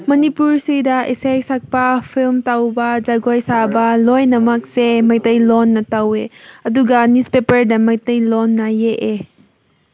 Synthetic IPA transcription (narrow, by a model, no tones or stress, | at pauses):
mɐnipuɹsidaʔisejsak̚pafʰilmtawbazaɡɔjsabɐlɔjnɐmɐk̚semɐjtɐjlɔnːɐtɐweʔɐduɡanispepəɾdamɐjtəjlɔnːajeʔe